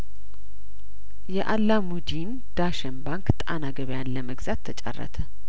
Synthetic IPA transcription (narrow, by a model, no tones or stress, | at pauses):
jɛʔalːamud̪in | d̪̥aʃənbaŋkt̪ʼanaɡəβjanləməɡzat̪ʰːət͡ʃʼa̰rːə̰t̪ʰə